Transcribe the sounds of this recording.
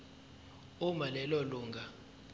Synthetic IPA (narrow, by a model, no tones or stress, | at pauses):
umalɛlɔluːŋɡʱa